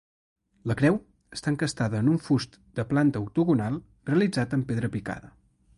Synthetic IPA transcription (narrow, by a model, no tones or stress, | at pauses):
ləkɾɛw | əst̪aəŋkəst̪aðəːnuɱfust̪ | d̪̥əplant̪əuk̚t̪uɣunalˠ | reəlid͡zat̪əmpeðɾəpika̰ðə